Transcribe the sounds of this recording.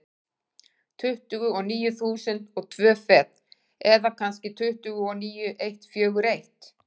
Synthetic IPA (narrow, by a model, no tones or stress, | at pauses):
t̪ʰʏht̪ʏɣʏɔniːjʏθuːsɪnt̪ɔɣt̪ʰvœːfɛːt̪ | ɛðakʰanscɪt̪ʰʏht̪ʏɣʏɔniːjʏʔejht̪fjœːɣʏɾejht̪